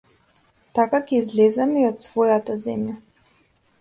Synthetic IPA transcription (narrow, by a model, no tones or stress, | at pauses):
t̪akakɛizlɛzamiot̪svojat̪azɛmja